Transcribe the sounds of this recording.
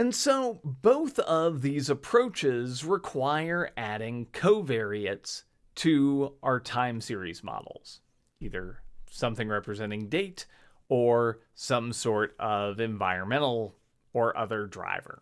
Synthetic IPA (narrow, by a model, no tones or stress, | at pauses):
ɨ̃nsoʊboʊθʌvðizəpʰɹ̥oʊt͡ʃɪzɹɪkʰw̥aɪə˞ʔæɾɪ̃ŋkʰoʊvɛɹiɨts | tʰɨʔaə˞tʰãɪ̃msɪɹḭzmɑ̰ɾl̩ˠz̥ | iðə˞sʌ̃mθɪ̃ŋɹɛpɹɨzɛ̃ɾ̃ɪ̃ŋdeɪt | ə˞ | sʌ̃msɔɹɾʌvɨ̃ɱva̰ɪɹɨ̃nmɛ̃ñl̩ˠ | ə˞ʔʌ̰ðə˞dɹa̰ɪvə̰˞